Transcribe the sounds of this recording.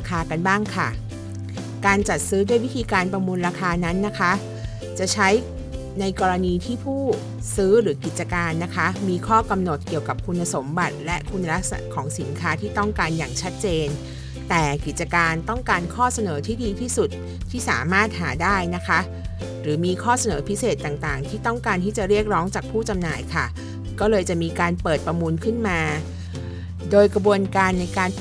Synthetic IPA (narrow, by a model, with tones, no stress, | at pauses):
kʰaː˧ka˧nbaː˥˩ŋkʰa˥˩ | kaː˧nt͡ɕa˨˩t̪̚sɯː˦˥du˥˩əjwi˦˥t̪ʰiː˧kaː˧npɾa˧muː˧nɾaː˧kʰaː˧na˦˥nːa˦˥kʰa˦˥ | t͡ɕa˨˩t͡ɕʰa˦˥j | na˧jkɔː˧ɾa˧niː˧t̪ʰiː˥˩pʰuː˥˩ | sɯː˦˥ɾɯː˩˦ki˨˩t̪̚t͡ɕa˧kaː˧nːa˦˥kʰa˦˥miː˧kʰɔː˥˩ka˧mno˨˩t̪̚ki˨˩əwka˨˩p̚kʰu˧nːa˧so˩˦mba˨˩t̪̚lɛ˦˥ʔkʰu˧nːa˧ɾa˦˥k̚sa˧na̰˨˩ʔkʰɔː˩˦ŋsi˩˦nkʰaː˦˥t̪ʰiː˥˩t̪ɔ˥˩ŋkaː˧njaː˨˩ŋt͡ɕʰa˦˥t̪̚t͡ɕeː˧n | t̪ɛː˨˩ki˨˩t̪̚t͡ɕa˧kaː˧nt̪ɔ˥˩ŋkaː˧nkʰɔː˥˩sa˧nɤː˩˦t̪ʰiː˥˩diː˧t̪ʰiː˥˩su˨˩t̪̚ʰː | iː˥˩sa̰ː˩˦maː˥˩t̪̚ɦaː˩˦daː˥˩jna˦˥kʰa˦˥ | ɾɯː˩˦miː˧kʰɔː˥˩sa˧nɤː˩˦pʰi˦˥seː˨˩t̪ːaː˨˩ŋt̪aː˨˩ŋt̪ʰiː˥˩t̪ɔ˥˩ŋkaː˧nt̪ʰiː˥˩t͡ɕa˨˩ɾi˥˩ək̚ɾɔː˦˥ŋt͡ɕaː˨˩k̚pʰuː˥˩t͡ɕa˧mnaː˨˩jkʰa˥˩ | kɔː˥˩lɤː˧jt͡ɕa˨˩ʔmiː˧kaː˧npɤː˨˩t̪̚pɾa˧muː˧nkʰɯ˥˩nmaː˧ | doː˧jkɾa˧bu˧ənkaː˧nːa˧jkaː˧n